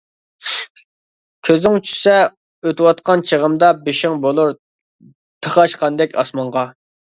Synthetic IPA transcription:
kʲʰøzɪŋt͡ʃʰy̥sɛ | øt̪ɪwɑt̪̚qɑnt͡ʃʰəʁəmd̪ɑbeʃɪŋbolˠuɾ | t̪ʰəχɑʃqɑnd̪ɛkʲɑ̰smɑɴʁɑ

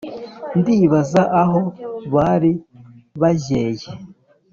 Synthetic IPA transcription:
ndiːβazaʔaɦo̞βaɾiβaʒe̞ːje

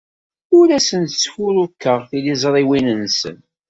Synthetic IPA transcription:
ʊɾæsənt̪t͡sːçʊɾukːəʁθilizˤɾˤiwinənsə̰n

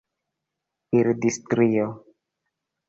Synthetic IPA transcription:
iɾdistɾio

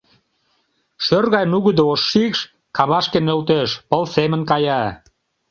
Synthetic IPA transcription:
ʃørɣɑjnuɣəd̪eoʃːikʃ | kɑβɑʃkenølt̪eʃpəlsemə̆nkɑjɑ

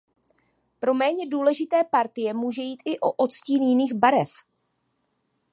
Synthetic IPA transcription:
pɾo̞mɛːɲɛduːlɛʒɪt̪ɛːpaɾt̪ɪjɛmuːʒɛjiːt̪ʔɪʔo̞ʔot̪sciːnjɪniːxbaɾɛf

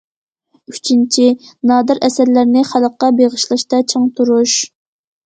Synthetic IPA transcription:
yt͡ʃʰint͡ʃʰinɑːd̪ɨɾɛsæɾlæɾnɪχælˠəqːɑbeʁəʃlˠɨʃt̪ɑt͡ʃʰəŋt̪ʰuɾuʃ

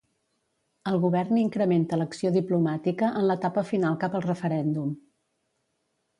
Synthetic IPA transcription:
əlˠɣuβɛrniŋkɾəment̪ələksioðiplumat̪ikəʔənlət̪apəfinalˠkapəlˠrəfəɾɛnd̪um

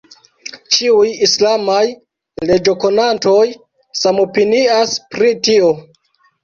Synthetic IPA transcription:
t͡ʃiujislamaj | le̞d͡ʒo̞ko̞nanto̞j | samo̞piniaspɾitio̞

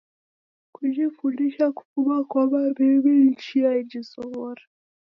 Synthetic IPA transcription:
kud͡ʒifundiʃaku̥fumakwaβaɾiβin̩t͡ʃiaid͡ʒisɔβɔɾa

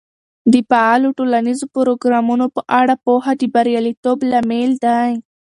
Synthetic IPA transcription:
d̪əpaaloʈolanizopəɾoɡɾɑmunopəʔaɽapohad̪əbaɾjalit̪oblameld̪aj

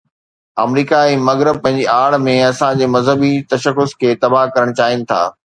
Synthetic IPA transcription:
ɐ̰mɾiːkaiːmɐɣɾɪb̚pɐ̃ɦɪ̃ɲd͡ʑiaːɭmẽɐsãd͡ʑeːmɐzɦəbit̪ɐʃəxʊskʰeːt̪ɐbaɦkɐɾəɽ̃t͡ɕaːɦɪnɪ̆t̪ʰa̰ː

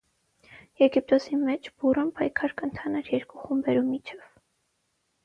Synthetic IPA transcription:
jɛɡip̚t̪ɔsimɛt͡ʃʰb̥urəmpʰɑjkʰɑɾkənt̪ʰɑnɑɾjɛɾkuχumbɛɾumit͡ʃʰɛv̥

